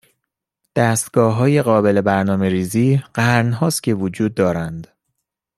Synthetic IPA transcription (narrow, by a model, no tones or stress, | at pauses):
d̪̥æːst̪ɡ̥ɒːɦɒːje̞ɣɒːbe̞le̞bæɾnɒːme̞ɾiːziːɢ̥æɾnɦɒːst̪cʲʰe̞vod͡ʒuːd̪ːɒːɾænd̪̥